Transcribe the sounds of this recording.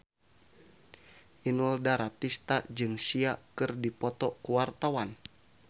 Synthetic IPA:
ʔinuldaɾat̪ist̪ad͡ʒɨŋsiakɨrdipɔt̪ɔkuwart̪awan

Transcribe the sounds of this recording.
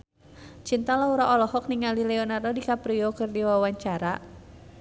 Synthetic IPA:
t͡ʃint̪alauɾaʔɔlɔhɔk̚niŋalilɛɔnardodikapɾiɔkɨrdiwawaɲt͡ʃaɾa

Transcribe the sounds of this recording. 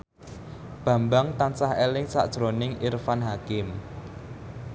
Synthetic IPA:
b̥ä̤mbaŋt̪ansaɦelɪŋsa̰ʔd̥ʒ̥ɾonɪŋirfanɦakɪm

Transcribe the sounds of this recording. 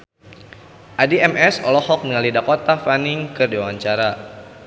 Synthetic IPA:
ʔadiɛmɛsɔlɔhɔk̚nəŋalidakot̪afaniŋkərdiwawaɲt͡ʃaɾa

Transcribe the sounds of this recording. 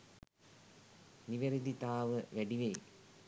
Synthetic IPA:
niʋɐɾid̪it̪aːʋɨʋeɖiʋej

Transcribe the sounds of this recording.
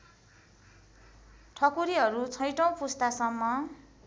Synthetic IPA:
ʈʰʌkuɾiɦʌɾut͡sʰʌjʈʌw̃pust̪asʌmːʌ

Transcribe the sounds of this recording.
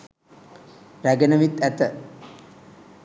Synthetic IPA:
ɾæɡenəʋit̪ːæt̪ə

